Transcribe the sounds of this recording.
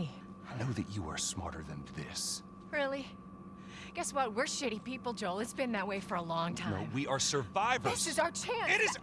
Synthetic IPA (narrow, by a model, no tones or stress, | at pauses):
anoʊðɨ̰t͡ʃɨə̰˞smɑ̰ɹɾə̰˞ðɨ̰̃nðɪ̰s | ɹɪlˠi | ɡ̥ɛswʌt̚wɪɹʃɪɾipipl̩ˠd͡ʒoʊlˠɨtsb̥ɨ̃nðɨt̚weɪfə˞əlɔ̃ŋtʰãnwiə˞sə˞vaɪvəðɪz̥ɨzaʊə˞t͡ʃʰæ̃nɪɾɨz